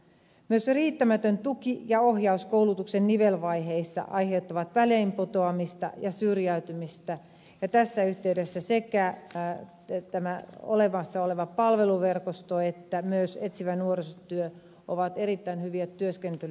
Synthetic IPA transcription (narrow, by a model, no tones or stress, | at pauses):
myøsriːt̪ːæmæt̪ønt̪ukijɑohjɑuskoulut̪uksenniʋelʋɑiɦeisːɑ̰ʔɑjhe̞ut̪ːɑʋɑt̪ʋæleimpot̪oɑmist̪ɑ̰jɑsyrjæyt̪ymist̪æ | jɑt̪æsːæyht̪eydesːæsekæ | t̪æmæo̰leʋɑsːɑoleʋɑpɑlʋe̞luʋerkost̪oet̪ːæmyøset̪siʋænuorisot̪yø | ʔo̰ʋɑt̪eɾit̪ːæinhyʋiæt̪ːyøskent̪yl